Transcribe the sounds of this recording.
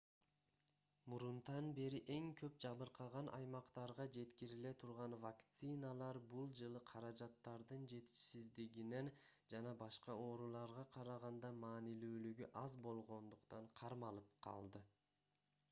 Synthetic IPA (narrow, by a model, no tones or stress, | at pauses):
muɾunt̪ɑnbe̞ɾiʔe̞ŋkʰø̞p̚d͡ʒɑβɯɾqʰɑʁɑnʔɑ̰jmɑqt̪ɑɾʁɑd͡ʒe̞t̪kiɾile̞t̪ʰuɾʁɑnvakt̪sɨnalˠɑɾbulˠd͡ʒɯlˠɯqʰɑɾɑd͡ʒɑt̪ːɑɾd̪ɯnd͡ʒe̞t̪i̥ʃsizd̪iɡine̞n | d͡ʒɑnɑbɑʃqɑo̞ːɾulˠɑɾʁɑqʰɑɾɑʁɑnd̪ɑmɑːnilyːlyɡyʔɑzbo̞lˠʁo̞nd̪uqt̪ɑɴqʰɑɾmɑlˠɯp̚qʰɑ̰lˠd̪ɯ